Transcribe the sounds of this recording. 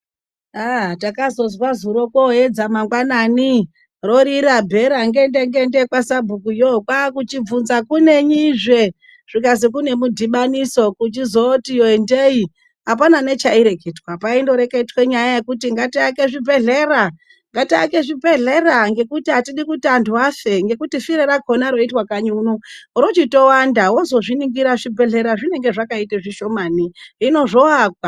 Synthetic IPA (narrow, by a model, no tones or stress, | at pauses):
atakazo̞zwazuɾo̞koe̞d͡zamaŋɡwanaːni | ro̞ɾiɾabʱe̞ɾaŋɡendeŋdendekwasabʱukujokwakut͡ʃib͡vunzakune̞ɲiʐe̞ | ʐ̥ikazikune̞mudʱiɓaniso̞kut͡ʃizotijoendei | ɦapanane̞t͡ʃaiɾe̞ke̞ːdwapaindo̞ɾe̞keitwe̞ɲajaje̞kutiŋɡatiakeʐibʱe̞ɮe̞ːɾa | ŋɡatiakeʐibʱe̞ɮe̞ɾaŋɡe̞kutiɦatiɗikutanduwafe̞ŋɡe̞kutifiɾeɾaɡʱo̞naɾo̞itwakaɲuːnuɾot͡ʃito̞wandawozo̞ʐiniŋɡiɾaʐibʱe̞ɮe̞ɾaʐine̞ŋɡeʐakaiteʐiʃo̞maːniino̞ʐo̞aːkwa